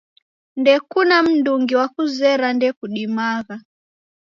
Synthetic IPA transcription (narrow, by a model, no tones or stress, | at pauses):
ndɛkunam̩nduŋɡiwakuzɛɾandɛkuɗimaɣa